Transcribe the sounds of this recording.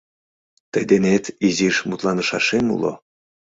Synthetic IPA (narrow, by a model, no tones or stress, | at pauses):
t̪əjd̪enet̪iziʃmut̪lɑnəʃɑʃemṵlo̰